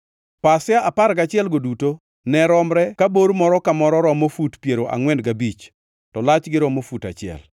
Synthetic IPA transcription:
pasɪjaʔapaɾɡat͡ʃɪɛlɡoduto | nɛɾɔmɾɛkaboɾmɔɾɔkamɔɾɔɾɔmofutpjeɾoʔa̰ŋwɛndɡabit͡ʃ | tɔlat͡ʃɡɪɾɔmofuta̰t͡ʃɪɛ̰l

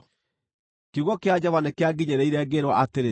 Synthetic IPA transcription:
kiɣɔkead͡ʑɔvanekeaɡiɲeɾɛiɾɛɡeɾwaʔateɾe

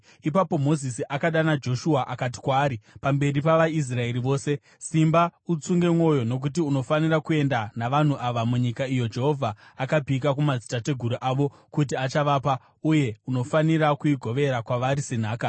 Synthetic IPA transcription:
ipapo̞mo̞zisiʔakaɗanad͡ʒo̞ʃuaʔakati̥kwaːɾipambe̞ripaʋais̬rae̞ɾiʋo̞ːse̞ | simbaut͡suŋɡe̞mŋo̞jo̞no̞k̬ut̬iuno̞fanirakue̞ndanaʋan̤uʔaʋamuɲikaijo̞d͡ʒe̞ɦo̞vʱaːkabʱikak̬umazitate̞ɡʱuɾuʔaʋo̞ | kut̬iat͡ʃaʋaːpa | uje̞uno̞faniɾakuiɡʱo̞ʋe̞ɾakwaʋaɾisen̤aːka

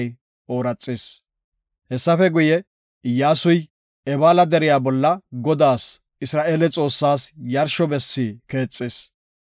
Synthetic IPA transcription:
j | o̞ːɾɐt͡sʼːɪs | hɛsːɐfɛɡʊjɛ | ɪjːaːsʊj | ɛbaːlɐd̪ɛɾɪjaːbɔlːɐɡɔd̪aːs | ɪsɾaːʔeːlɛt͡sʼo̞ːsːaːsjɐɾʃɔbɛsːiːke̞ːt͡sʼːɪːs

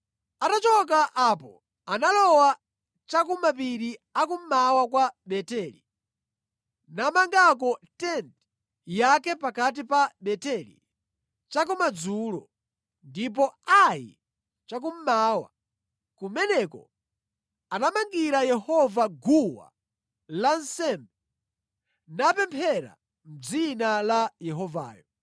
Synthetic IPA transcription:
atat͡ʃɔk̬aʔapɔ̰ | analɔwa | t͡ʃakumapiɾiak̬um̩mawakwaɓɛtɛːli | namaŋɡak̬ɔtɛnt | jakɛpakat̬ipaɓɛtɛlḭ | t͡ʃak̬umad͡zuːlɔ̰ | ndip̬ɔajḭ | t͡ʃak̬um̩maːwa̰ | kumɛnɛkɔ̰ | anamaŋɡiɾajɛhɔvaɡuwa̰ | lansɛmbɛ | napɛmpʰɛɾa̰ | m̩b͡ʐd͡zinalajɛɦɔva̰ːjɔ

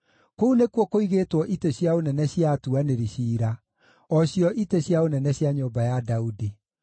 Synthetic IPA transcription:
kounekwɔkoiɣeːtwɔʔiteɕjaonɛnɛɕjatuaneɾiɕiːɾa | ɔɕjɔʔiteɕjaonɛnɛɕjaɲoːbajadaudi

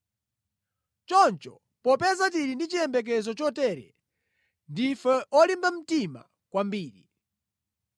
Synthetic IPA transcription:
t͡ʃɔnt͡ʃɔ̰ | pɔpɛzat̬iɾindit͡ʃiɛmbɛk̬ɛzɔt͡ʃɔtɛːɾɛ̰ | ndifɛɔlimbam̩tima̰ | kwambiːɾḭ

